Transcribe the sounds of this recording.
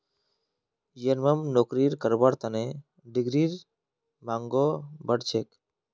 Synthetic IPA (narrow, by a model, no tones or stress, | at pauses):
jənməmnokɾiɾkəɾbaɽt̪əne | ɖiɡɾiɾ | maŋɡobəɽt͡ʃʰek